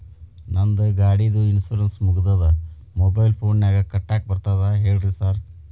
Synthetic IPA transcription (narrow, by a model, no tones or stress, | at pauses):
nɐnd̪ɨɡaːɽid̪uinsuːɾɐnsmuɡud̪ɐd̪ɐ | mobɐjlpʰoːnnaːɡɐkɐʈːaːk̚bɐɾt̪aːðaɦeːɖɾisaːɾ